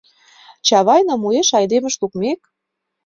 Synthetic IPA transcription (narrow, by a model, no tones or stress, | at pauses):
t͡ɕɑβɑjnɑmueʃɑjd̪emə̆ʃlukmek̚